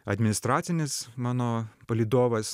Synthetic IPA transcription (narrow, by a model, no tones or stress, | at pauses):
ɐd̪ʲmʲɪnʲɪst̪ɾɑːt̪sʲɪnʲɪsmɑːnoːpɐlʲiːd̪oːʋɐs